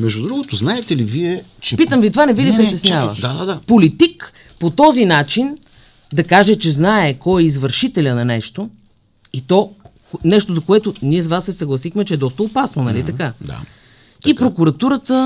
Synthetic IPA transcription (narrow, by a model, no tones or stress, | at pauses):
mɛʒd̪ud̪ɾuɡot̪oznaɛt̪ɛliviɛt͡ʃɛpit̪əmvit̪ovanɛvilipɾit̪ɛsnʲavə̰d̪ad̪ad̪apolit̪ik | pot̪ɔzinat͡ʃin | d̪ɐkaʒɛt͡ʃɛznaɛkɔjɛizvəɾʃit̪ɛlʲənɐnɛʃt̪o | it̪ɔknɛʃt̪ozɐkoɛt̪ʊniɛs̬vasːɛsɐɡlˠɐsixmɛt͡ʃɛɛd̪ɔst̪əopasnonɐlit̪ɐkad̪a̰ | ipɾokuɾɐt̪uɾət̪ə